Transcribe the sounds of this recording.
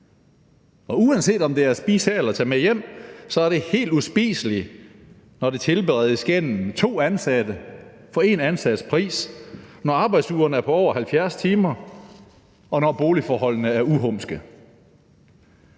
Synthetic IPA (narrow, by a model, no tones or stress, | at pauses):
ɒ̽uænse̝̰ːd̥ɒ̽md̥e̝æɐsb̥iːsɛelɐt͡sʰɛmejem̰sɒ̽æɐɾ̥e̝he̝̰ːld̥usb̥ḭːsəli | nɒd̥e̝t͡sʰe̝lb̥eʁɛð̩ˠsɡ̥en̰m̩t͡sʰo̝̰ːænsæd̥ə | fɒ̽e̝nænsæd̥əspʰʁḭːsnɒɑ̈ːb̥ɑ̈ɪd̥suːɐnəæɐpʰɒ̽ɒ̰ʊ̰ɐhælfjæɐst͡sʰiːmɐ | ʔɒ̽nɒb̥o̝ːlifɒːɦɒ̽l̰nəæɐuɦɔ̽msɡ̥ə